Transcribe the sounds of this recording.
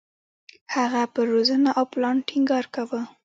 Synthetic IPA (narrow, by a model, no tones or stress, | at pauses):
haɣapəɾozənaʔawplɑnʈʰiŋɡɑɾkawə